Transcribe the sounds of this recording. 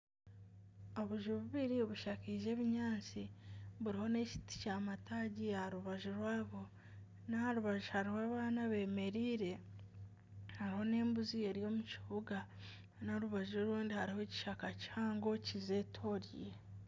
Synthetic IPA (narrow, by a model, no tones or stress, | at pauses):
o̞βuʒuβuβiɾioβuʃakiːʒe̞ːβiɲaːnt͡siβuɾiho̞ne̞ci̥ti̥caːmataɟiaaɾuβaʒuɾwaːβo̞ | nahaɾuβaʒuhaɾihwaːβaːnaβe̞ːme̞ɾiːɾe̞ | haɾiho̞ne̞ːmbuzije̞ɾjo̞mut͡ʃiβuɡa | noɾuβaʒoɾuːndihaɾiho̞ci̥ʃakacihaːŋɡo̞cize̞tʰo̞ɾje